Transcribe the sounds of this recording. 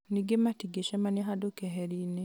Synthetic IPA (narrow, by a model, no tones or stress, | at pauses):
niɡematiɡiʃemaniɦadokeɦeɾine